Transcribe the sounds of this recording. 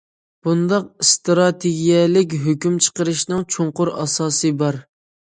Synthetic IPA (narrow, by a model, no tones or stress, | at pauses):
b̥und̪ɑq̚st̪ɾɑt̪ʰeɡʲijɛlɪk̬ʲɦøkʲymt͡ʃʰə̥qəɾɨʃnɨŋt͡ʃʰoɴqʊɾɑ̰sɑːsɨbɑɾ